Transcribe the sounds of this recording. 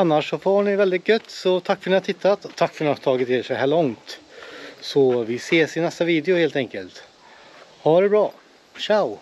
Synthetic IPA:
anːaʂːɔfoːɳɪvɛld̪ɪt̪̚ɡœt̪ːsɔt̪ʰakːfœɳɪhat̪ʰɪt̪ʰːat̪ɔt̪ʰːakːfœɳɪhat̪ʰɑːɡɪt̪ɪʂɛɦæːɭɔŋt̪ | sɔvɪseːsɪnɛst̪aviːd̪jʊheːlt̪ɛŋkəlt̪ | haɖɛbɾɑː | ʂaʊ

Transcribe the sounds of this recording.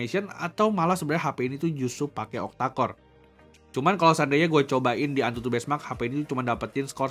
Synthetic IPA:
esiəna̰t̪awmalasəbəɾaaɦapeinit̪ud͡ʒusʊpakɛɔ̰k̚t̪akɔr | t͡ʃumankalawsandaɲaɡuat͡ʃobaʔɪndiant̪ut̪ubɛsmak̚hapeinit̪ut͡ʃumandapət̪ɪnskɔr

